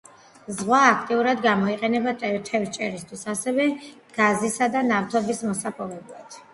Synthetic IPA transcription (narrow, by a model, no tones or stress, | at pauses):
zʁwaːkʰt̪ʼiuɾad̪ɡamɔiqʼɛnɛbat̪ʼt͡ʃ̪ʰɛvt͡ʃʼɛɾist̪ʰwisasɛvɛ | ɡ̥azisad̪anavt̪ʰɔbismɔsapʼɔvɛblˠad̪̥